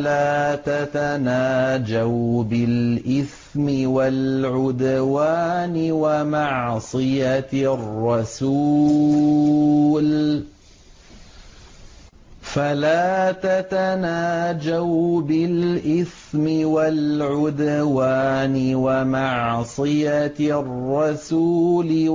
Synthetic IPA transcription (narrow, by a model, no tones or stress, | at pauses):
laːt̪at̪anaːd͡ʒawbɪlʔɪθ | mɪwalʕʊd̪waːnɪwamɑʕsˤɨjarˤːɑsuː | l | falaːt̪at̪anaːd͡ʒawbɪlʔɪθmɪwalʕʊd̪waːnɪwamɑʕsˤɨjarˤːɑsuːlɪ